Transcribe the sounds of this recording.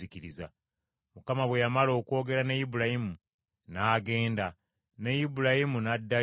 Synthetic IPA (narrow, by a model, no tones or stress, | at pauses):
iciɾiza | mukamaβwe̞jamalo̞ːko̞ːɡe̞ɾanejibulahimu | naːɡe̞ːnda | nejibulahimunadːa